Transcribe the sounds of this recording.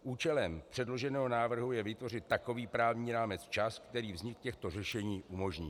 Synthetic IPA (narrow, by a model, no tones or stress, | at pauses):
ʔuːt͡ʃɛlɛmpr̝̥ɛdlo̞ʒɛnɛːɦo̞naːvr̩ɦujɛvɪt̪vo̞rɪt̪̚ːako̞viːpɾaːvɲiːɾaːmɛt͡st͡ʃaskt̪ɛɾiːvzɲɪkcɛxt̪o̞rɛʃɛɲiːʔumo̞ʒɲiː